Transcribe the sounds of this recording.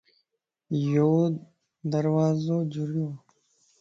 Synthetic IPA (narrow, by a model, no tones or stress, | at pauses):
jo | d̪ɐɾwaːzod͡ʑuɾjoː